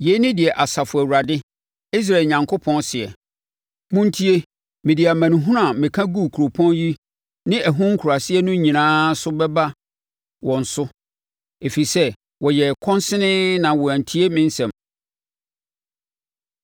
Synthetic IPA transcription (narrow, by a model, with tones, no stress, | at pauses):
je˨˦nɪ̃˦dɪ˨ɛ˨ʔa˨sa˨fʊ˨æ˨wu˨ɾa˨dɪ˦ | i˦s̬ɾa˨e˨ɲã˨ŋkʰo˦pʰɔ̃˦nsɪ˨ɛ̰˨ | mʊ̃˦n̩˦tʰi˦e˦ | mɪ̃˨dɪ˨a˨mã˨nʊ̃˨ɦũ˦ɾã˨mɪ̃˨kʰã˦ɡu˦˨kʰu˨ɾo˨pʰɔ̃˦nji˦ | nɪ̃˦ʔæ˨ɦʊ̃˦ŋ̩˦kʰu˨ɾa˨sɪ˦ɛ˦nʊ̃˦ɲĩ˨nãː˦sʊ˦bɛ˦ba˦ | wɔ̃˨n̩˨sʊ˦ | e˨fi˨sɛ˦ | wɔ˨jɛ˨kʰɔ̃˦nsɪ˦nɪ̃˦nã˨wɔ˨æ̃˨n̩˨tʰi˦e˦mɪ̃˦n˦sɛ̃˨m